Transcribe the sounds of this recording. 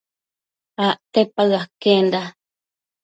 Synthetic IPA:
aʔt̪epaɨakend̪a

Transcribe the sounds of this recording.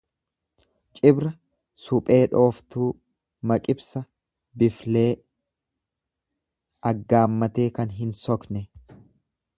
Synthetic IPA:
t͡ʃʼɪbɾɐ | sʊpʼe̞ːᶑo̞ːft̪uː | mɐkʼɪbsɐ | bɪfle̞ː | ɐɡːaːmːɐt̪e̞ːkɐnɦɪnsɔknɛ

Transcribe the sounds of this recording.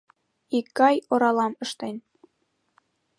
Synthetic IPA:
ikːɑjŏɾɑlˠɑmɤ̆ʃt̪ɑjn

